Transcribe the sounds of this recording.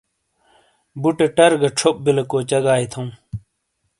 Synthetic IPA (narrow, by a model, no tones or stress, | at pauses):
buʈeʈɐɾɡɐʈ͡ʂʰop̚bilɐkoːt͡ɕɐɡaːit̪ʰɐũ